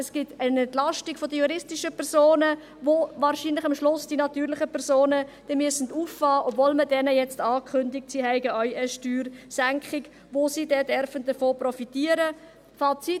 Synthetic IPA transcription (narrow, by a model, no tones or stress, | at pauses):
ɛsɡ̥ɪtɛnɛntlɑʃtɪɡ̥fodəjuɾɪstɪʃəpʰɛɾsoːnə | ʋovɑːɾʃiːnlɪχɑmʃlʊsd̥inɑtyːɾlɪχəpʰɛɾsoːnəd̥ɛmyəsən̩duːfːɑːʔɔbvoːlmədɛnəjɛt͡stɑːkχʏndɪk̚tsiːɦɛɪɡəʔœʏəʃtyːɾsæŋkχɪɡ | ʋosiːdɛdɛɾfənd̥əfoːprɔfitiːəɾə | fɑːt͡sit